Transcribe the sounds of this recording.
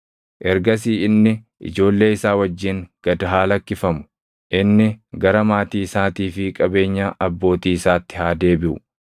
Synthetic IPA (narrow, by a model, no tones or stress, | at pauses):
ʔɛɾɡɐs̬iːɪnːɪ | ʔɪ̰d͡ʒo̞ːlːe̞ːɪsaːwɐd͡ʒːɪŋɡ̥ɐd̪ɐɦaːlɐkːɪfɐmʊ̥ | ʔɪnːɪɡɐɾɐmaːt̪iːɪsaːt̪iːfɪkʼɐbe̞ːɲːaːʔɐbːo̞ːt̪iːɪsaːt̪ːɪhaːd̪e̞ːbɪʔʊ̰